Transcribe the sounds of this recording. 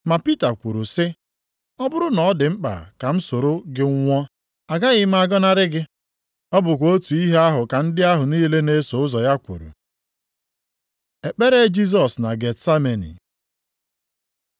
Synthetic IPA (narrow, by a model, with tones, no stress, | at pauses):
ma˨pi˦ta˨kʷu˨ɾu˨sɪ˦ | ɔ˦bʊ˦ɾʊ˦nɔ˨˦dɪ˨ŋ͡m̩˦k͡pa̰˨ka˨m̩˦so˨ɾo˦ɡɪ˦ŋ̩˦ŋʷɔ˦ | a˨ɡa˦ɣɪ˦m̩˦a˦ɡɔ˦na˦ɾɪ˦ɡɪ˦ | ɔ˦bʊ˨kʷo˦tu˨i˦ɦe˦a˦ɦʊ˨ka˨n̩˦dɪ˦a˦ɦʊ˨niː˦le˦ne˦so˨ʊ˦zɔ˨ja˦kʷṵ˨ɾṵ˨ | e˨k͡pe˦ɾe˦d͡ʒi˦z̬ɔ˨sna˨ɡe˨tsa˦me˨nḭ˨